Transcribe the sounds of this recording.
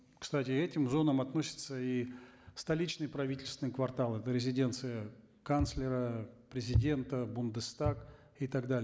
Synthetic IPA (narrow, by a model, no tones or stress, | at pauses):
kst̪atʲɪɛtʲɪmzo̞nəmɐt̪no̞sʲɪ̥t̪səist̪ɐlʲit͡ɕnɨjpɾɐvʲitʲɪlʲst̪ʲɪnkvɐrt̪alˠɛt̪əɾʲɪzʲɪdʲe̞nt̪sɨjə | kanslʲɪɾəpɾʲɪzʲɪdʲe̞nt̪əbʊnd̪ɨst̪ak | ɪt̪aɡd̪alʲɪ